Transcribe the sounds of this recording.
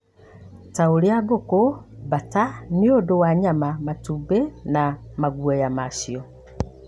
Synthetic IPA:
taoliaɡokobataniodowaɲamamatubenamaɡwɛjamasiɔ

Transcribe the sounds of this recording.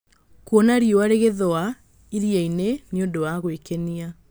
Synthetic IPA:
kwɔnaɾijoaɾeɣeðɔa | iɾiaineneondowaɣwekenia

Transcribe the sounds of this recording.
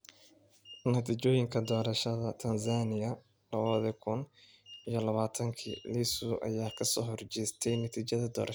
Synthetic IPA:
nɐt̪ʰiːt͡ʃɔːjɪŋkʰɐd̪ɔːɾɐʃɐðɐt̪ʰɐnsaːnɪjɐ | lɐβɐðɪkʰʊn | ijɞlɐβaːt̪ʰɐŋkʰḭːlisʊʔɐ̰jaːkʰɐsɔːɦɔrt͡ʃɛjst̪ʰɛjnɐt̪ʰiːt͡ʃɐðɐd̪ɔ̰ːɾ

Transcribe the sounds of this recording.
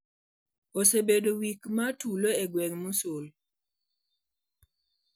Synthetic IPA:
osebedowikmatuloɛɡwɛŋmosol

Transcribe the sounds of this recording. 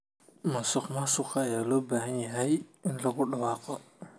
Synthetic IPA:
mɐnsʊxmasʊqaːjaːlɔːbaːhɐnjɐɦɛjɪnlɐɡʊɗɐwaːqɔ

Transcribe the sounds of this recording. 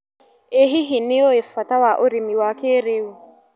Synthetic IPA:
eɦiɦinɪɔefatawaʔoɾimiwakeɾeu

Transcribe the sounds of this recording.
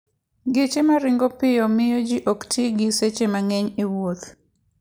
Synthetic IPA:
ɡet͡ʃemaɾɪŋɡopɪjɔmɪjɔd͡ʒiʔoktʰiɡɪset͡ʃemaŋɛɲewot̪

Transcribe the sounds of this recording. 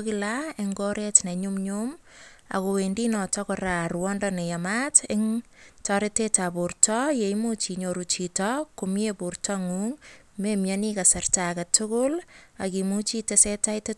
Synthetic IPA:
kɪlaeŋɡoɾetneɲumɲum | a̰kowendinɔtɔkɔrarwɔndɔnejamatɪŋ | tɔɾetetapurtɔjejmut͡ʃiɲoɾut͡ʃitɔkʊmjepurtɔŋuŋ | memjanikasartakatʊkʊlakimut͡ʃitesetajte

